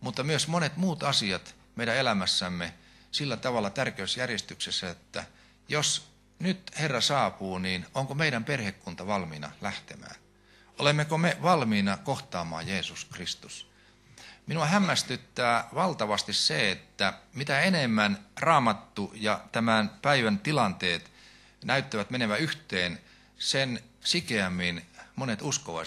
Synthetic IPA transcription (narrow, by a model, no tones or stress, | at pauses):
mut̪ːɑmyøsmonet̪muːt̪ɑsiɑt̪ | meiɾæelæmæsːæmːe | silːæt̪ɑʋɑlːˑɑt̪ærkeysjærjest̪yksesːæot̪ːæ̰ | jos | nyt̪herːɑsɑːpuːniːnoŋkomeiɾæmperhekːunt̪ɑʋɑlmiːnɑ̰læht̪emæ̰ːn | olemːekomeʋɑlmiːnɑkoht̪ɑːmˑɑ̰ːjeːsuskrist̪us | minuɑhæmːæst̪yt̪ːæːʋɑlt̪ɑʋɑst̪isseet̪ːæmit̪æenemːænrɑːmɑt̪ːujɑt̪æmænpæiʋænt̪ilɑnt̪eːt̪ | næyt̪ːæʋæt̪meneʋæyht̪eːn | sensikeæmːinmonet̪uskoʋɑ̰